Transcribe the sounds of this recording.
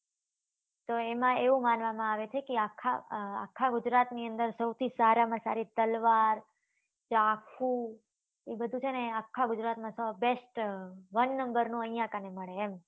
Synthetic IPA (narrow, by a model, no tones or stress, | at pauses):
t̪oemãeʋũmanʋamãaʋet͡ʃʰekeakʰːa̰a̰kʰːaɡʊd͡ʒɾat̪niənd̪əɾsəwt̪ʰisaɾamãsa̰ɾit̪əlʋaɾ | t͡ʃakʰu | bəd̪ʱũt͡ʃʰeneakʰːaɡʊd͡ʒɾat̪mãsəbesʈʋənːəmbəɾnũəijãkaneməɭeːm